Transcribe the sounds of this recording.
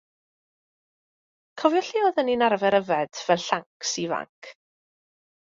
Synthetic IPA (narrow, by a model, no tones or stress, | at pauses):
kʰɔvjɔɬiɔðəninarvɛɾəvɛd̥v̥ɛlˠɬaŋksiva̰ŋkʰ